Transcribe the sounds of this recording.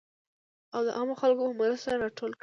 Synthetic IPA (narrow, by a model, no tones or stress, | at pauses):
awd̪ə̰ʔamoxalkomɾəsaɾanaʈolk